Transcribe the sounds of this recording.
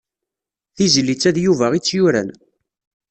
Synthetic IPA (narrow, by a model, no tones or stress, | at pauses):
θizlːit͡sːæðjuvæʁit͡sːjʊɾæ̰n